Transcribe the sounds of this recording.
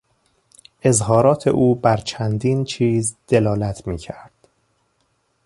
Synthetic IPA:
ʔe̞zhɒːɾɒːt̪ʰe̞̰ʔuːbæɾt͡ʃʰænd̪iːnt͡ʃʰiːzd̪̥e̞lɒːlæt̪ʰmiːcʰæɾd̪̥

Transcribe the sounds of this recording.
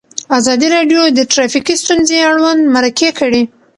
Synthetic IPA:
azɑd̪iɾɑɖjod̪əʈɾafikist̪unzeaɽwand̪maɾakekəɽi

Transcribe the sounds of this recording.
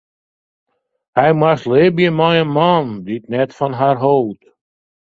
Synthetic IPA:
ajmastlebiəmajəmɑ̃nditnɛtfɔnɦaɹɦot

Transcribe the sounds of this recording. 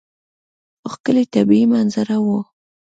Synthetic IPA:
oxkəlet̪abiimanzaɾawu

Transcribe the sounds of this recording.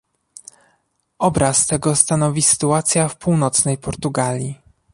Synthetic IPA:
ɔbɾast̪ɛɡɔst̪anɔvʲisɘ̥t̪uat̪sʲjafpuwnɔt̪snɛjpɔɾt̪uɡalʲi

